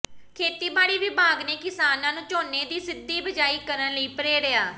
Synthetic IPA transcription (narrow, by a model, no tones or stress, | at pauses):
kʰeːt̪iːbaːɽiːʋɪbaːɡneːkɪsaːnãːnũːt͡ʃoːneːd̪iːsɪd̪ːiːbəd͡ʒaːiːkəɾənləiːpəɾeːɾəjaː